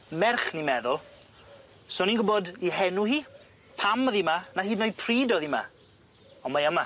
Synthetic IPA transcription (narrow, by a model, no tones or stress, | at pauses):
mɛrχnimɛðʊlˠ | soːninɡʊbɔdiɦɛnuhiː | pʰaməðimanaɦiːdnojpʰriːdɔðima̰ | ɔmajəma